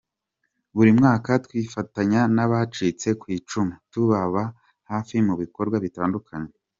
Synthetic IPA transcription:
βuɾimŋaːkatwiːfataɲanaβat͡ʃit͡se̞kwiːt͡ʃumutuβaβa | haːfimuβiko̞ɾɡwaβitaːndukʰaɲe

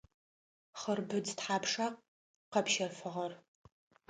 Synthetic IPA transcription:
χərbɨd͡ztħaːpʰʂaq̚ | qɐpʃɐrfɨʁɐr

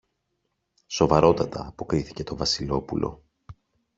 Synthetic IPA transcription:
so̞vɐɾo̞t̪ɐt̪ɐ̰ːpo̞kɾiθi̥ce̞t̪o̞vɐsilo̞pulʔo̰

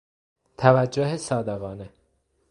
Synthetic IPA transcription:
t̪ʰævæd͡ʒːoɦesɒːd̪eɣɒːne

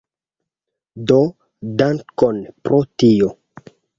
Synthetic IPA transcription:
do | daŋkonpɾʔotio

